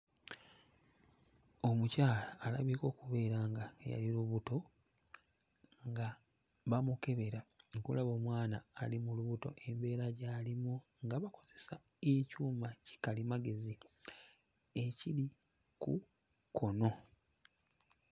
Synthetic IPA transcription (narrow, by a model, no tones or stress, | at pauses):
o̞mucaːlaːlaβiːko̞ːkuβe̞ːɾaŋɡaɡḛja̰liluβuto̞ | ŋɡa | βamuke̞βe̞ɾaŋkulaβo̞ːmwaːnaːlimuluβuto̞̰ʔe̞mbe̞ːɾaɟalimu | ŋɡaβako̞ze̞sa | ecuːmaci̥kalimaɡe̞zi | ecili | kṵ | kʰo̞no̞